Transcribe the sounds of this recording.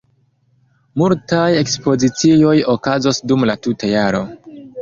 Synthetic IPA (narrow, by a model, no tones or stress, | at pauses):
multaje̞kspo̞zit͡sio̞jokazo̞sdumlatutajaɾo̞̰